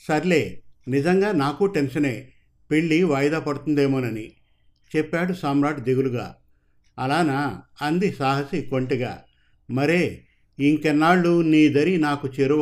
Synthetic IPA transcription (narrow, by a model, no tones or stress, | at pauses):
sɐɾle̞ːnid͡ʒɐŋɡaːnaːkuʈenʂɐne̞ː | peɭːiʋɐjɐd̪aːpɐɽut̪und̪e̞ːmoːnɐni | t͡ʃɛpːaːɽusaːmɾaːʈid̪eɡuluɡa̰ː | ɐlaːnaɐnd̪isaːɦɐsiko̞ɳʈiɡa̰ː | mɐɾeː | iŋkɛnːaːɭːuniːd̪ɐɾinaːkut͡ʃeɾu